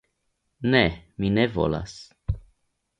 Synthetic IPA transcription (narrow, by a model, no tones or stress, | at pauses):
neminevo̰la̰s